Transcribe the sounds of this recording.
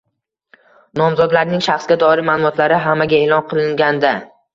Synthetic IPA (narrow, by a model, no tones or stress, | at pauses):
nɒmzɒd̪laɾnɪŋʃaχsɡʲad̪ɒɪɪmaːlˠʊmɒt̪laɾɪɦamːaɡʲae̞ːlˠɒnqʰɨlˠɪŋɡʲand̪a